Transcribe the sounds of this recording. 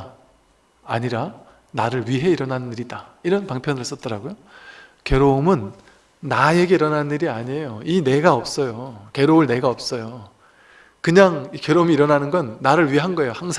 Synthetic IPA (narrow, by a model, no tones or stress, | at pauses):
aɲiɾa | naɾɯɭɥiɦe̞iɾʌnanniɾidaiɾʌnpaŋpʰjʌnɯɭɦs͈ʌt̚t͈ʌɾaɡojo | kjʌɾomɯnː | aje̞ɡe̞iɾʌnanniɾiaɲejoine̞ɡaʌp̚s͈ʌjokeɾoɯɭne̞ɡaʌp̚s͈ʌjo | kɯɲaŋikjʌɾomiːɾʌnanɯnɡʌnːaɾɯɭɥiɦanɡʌe̞johaŋsʰ